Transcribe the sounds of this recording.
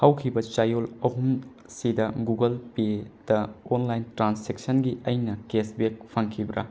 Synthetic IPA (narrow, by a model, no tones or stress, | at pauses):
hawkʰibɐt͡ʃajolɐɦum | sidɐɡuɡɐlped̥ɐonlajntɾansek̚sɐnɡiʔɐjnɐkesbek̚pʰɐŋkʰibɾɐ̰